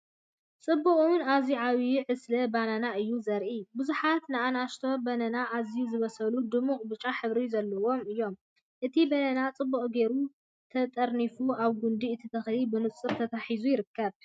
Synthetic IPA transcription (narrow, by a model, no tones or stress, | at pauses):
t͡sʼɨbːukʼunaziʕaβiʕɨslɐbananaʔɨjːuzɐɾʔibɨzuħat̪nɨanaʃt̪ʰo̞bɐnɐnaʔazijuzɨβɐsɐlud̪ɨmːuχʼbɨt͡ʃʼːaħɨβɾizɐlːɐwo̞mɨjːo̞m | ʔɨt̪ʰibɐnɐnat͡sʼɨbːuχʼɡe̞ɾu | t̪ʰɐt̪ʼɐɾnifuʔaβɡund̪iɨt̪ʰit̪ʰɐxlibɨnɨt͡sʼɨβt̪ʰɐt̪ʰaħizujɪɾɨkːɐβ